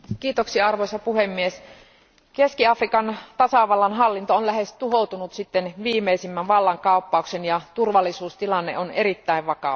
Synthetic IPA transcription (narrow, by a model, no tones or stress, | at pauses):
kiːt̪oksiɑɑrʋosɑpuhemːies | keskiɑfrikɑnt̪ɑsɑʋɑlːɑnɦɑlːint̪oonlæhest̪uɦout̪unut̪sit̪ːenʋiːmeisimːænʋɑlːɑŋkɑˑupːɑuksenjɑt̪urʋɑlːisuːst̪ilɑnːḛʔoneɾit̪ːæiʋʋɑkɑ̰